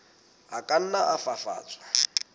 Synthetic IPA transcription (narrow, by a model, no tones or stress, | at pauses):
ɦakʼan̩naʔafafa̰ːt͡sʼḁ